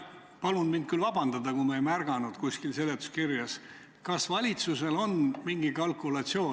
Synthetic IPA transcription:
pɑlunmind̪̥̚kylvɑbɑnd̪ɑd̪ɑkumɑejmærɡ̥ɑnud̪̥kusʲkilse̞lːet̪ːˑu̥skirjɑs | kɑsvɑlʲit̪suse̞lo̞nmiŋɡ̥ikɑlkˑulɑt̪sio̞ː

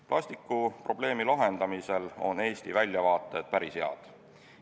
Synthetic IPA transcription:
plʔɑsʲt̪ikːˑupro̞b̥le̞ːmilɑɦe̞nd̪̥ɑmise̞lo̞̰ne̞ːst̪ivælʲjɑvɑːt̪ˑːe̞d̪̥̚pæɾisheɑ̰d̪̥

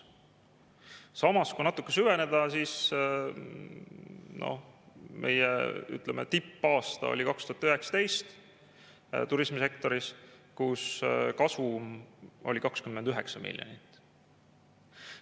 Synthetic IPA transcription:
sɑmɑskujnɑt̪ːˑukːˑesyve̞ne̞d̪̥ɑsiːs | no̞̰hmʔe̞̰jḛy̰t̪ˑlemet̪ipːɑːst̪ɑ̰o̰lʲikɑkst̪uhɑt̪ːyɦe̞ksɑ̥t̪e̞jst̪ | t̪uɾismise̞kt̪o̞ɾiskuskɑsvumo̞̰lʲikɑkskymmend̪yɦe̞ksɑmḭlʲjonit̪ːˑ

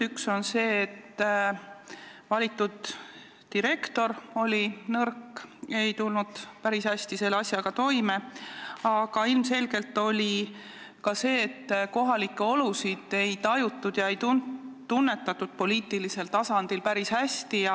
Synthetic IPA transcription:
ykso̞nse̞ːt̪ː | vɑlʲit̪ːˑud̪̥ː | iɾe̞kt̪o̞ɾo̞lʲinɤrke̞jt̪ulnud̪̥pæɾishæsʲt̪ise̞leɑsʲjɑɡ̥ɑt̪o̞jme̞ɑɡ̥ɑilmse̞lɡ̥e̞lt̪ːˑo̞lʲi | kɑse̞ːt̪ːko̞ɦɑlikːˑe̞o̞lusid̪̥e̞jt̪ɑjut̪ːˑud̪̥jɑejt̪unt̪unːe̞t̪ːˑɑt̪ːˑud̪̥po̞liːt̪ilise̞lt̪ɑsɑnd̪̥ilpæɾishæsʲt̪ijɑ

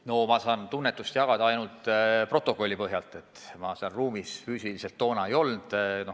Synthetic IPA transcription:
no̞mɑsɑːnt̪unːet̪ːust̪jɑɡ̥ɑd̪ɑɑjnult̪ˑpro̞t̪ːˑokˑo̞lʲːipɤɦjɑlt̪ːˑe̞t̪ːˑmɑseɑlruːmisfyːsilise̞lt̪ːo̞ːnɑejo̞lnd̪̥no̞

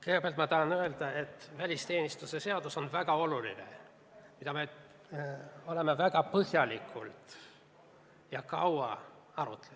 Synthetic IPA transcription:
kehebeɑlt̪mɑt̪ɑhɑnøeld̪ɑe̞t̪ːvælʲist̪e̞ːnʲist̪usese̞od̪̥uso̞nvæɡ̥ɑo̞lulḭnḛ | mid̪ɑme | o̞lemevæɡ̥ɑpɤhjɑlikʰːˑult̪ | jɑkɑwɑ | ɑrṵt̪ːˑele

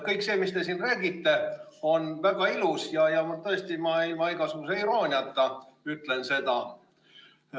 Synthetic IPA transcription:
kɤjkse̞ːmist̪e̞sinræːɡit̪ːe̞ | o̞nvæɡ̥ɑilusjɑjɑmɑt̪ɤ̞est̪imɑilmɑeɡ̥ɑsukuseiɾoːnʲiɑt̪ːˑɑyt̪ˑle̞nse̞d̪ɑ

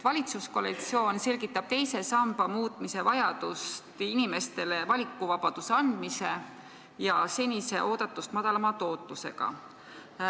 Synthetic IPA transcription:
vɑlʲit̪susko̞lekt̪sio̞ːnse̞lʲɡit̪ːˑɑb̥̚t̪e̞jse̞sɑmb̥ɑmuːt̪ːˑmise̞vɑjɑd̪̥ust̪inime̞st̪e̞le̞vɑlʲikːˑuvɑb̥ɑd̪̥use̞ɑnd̪̥mise̞ | jɑse̞nʲise̞̰ʔo̞ːd̪̥ɑt̪ːˑust̪mɑd̪ɑlɑmɑt̪o̞ːt̪ːˑuse̞̰ɡ̥ɑ̰

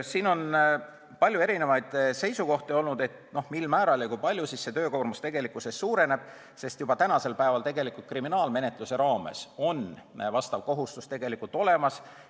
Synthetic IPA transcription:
siːno̞n | pɑlʲjue̞ɾine̞vɑjd̪̥se̞jsuko̞ht̪eo̞lnud̪e̞t̪no̞hmilmæːɾɑljɑkujpɑlʲjusisːe̞t̪ø̞ːkoːrmust̪e̞ɡe̞likːˑuse̞sːuːɾe̞ne̞b̥ | se̞st̪jub̥ɑt̪ænɑse̞lpæevɑlt̪e̞ɡe̞likˑult̪̚kriminɑːlme̞ne̞t̪ˑluse̞ɾɑːme̞̰so̞nvɑst̪ɑvko̞ɦust̪ust̪e̞ɡ̥e̞likːˑult̪o̞le̞mɑs

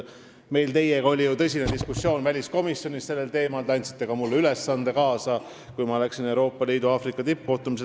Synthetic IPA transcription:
me̞jlt̪e̞jeɡɑo̞lʲijut̪ɤ̞sʲined̪iskusːjo̞ːnvælʲisko̞misjo̞nʲisse̞lːe̞lt̪e̞ːmɑlt̪ɑnʲt̪si̥t̪ˑːe̞kɑmulːeyle̞sːɑnd̪e̞kɑːsɑ | kujmɑlæksine̞wɾo̞ːpːˑɑliːd̪uɑːfrikːˑɑt̪ip̚ːko̞ht̪umise

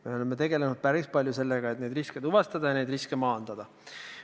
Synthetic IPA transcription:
me̞o̞le̞mːe̞t̪e̞ɡe̞le̞nud̪̥̚pæɾispɑlʲjuse̞lːeɡ̥ɑet̪ne̞d̪risked̪uvɑst̪ɑd̪̥ɑjɑne̞jd̪riskemɑːnd̪̥ɑd̪̥ɑ

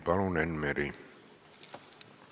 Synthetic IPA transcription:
pɑlonenmeɾi

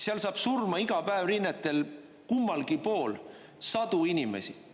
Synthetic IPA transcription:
seɑlsɑːb̥surmɑiɡ̥ɑpæevrinːet̪ːˑe̞l | kumːɑlɡipo̞ːl | sɑd̪̥uinimḛsi

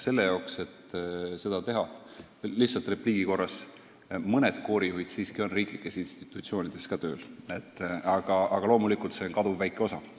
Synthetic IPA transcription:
se̞lːe̞jɑokse̞t̪se̞d̪̥ɑt̪e̞ɦɑ | liht̪sɑlt̪ˑre̞pliːɡ̥iko̞rːɑs | mɤned̪̥ko̞ːɾijuɦid̪̥siːskio̞nriːklikːˑe̞sinst̪i̥t̪ːˑut̪sio̞ːnid̪̥e̞skɑt̪ø̞ːlet̪ːɑɡ̥ɑɑɡ̥ɑlo̞ːmulikult̪se̞onkɑd̪̥uvːæjkːˑeo̞sɑ

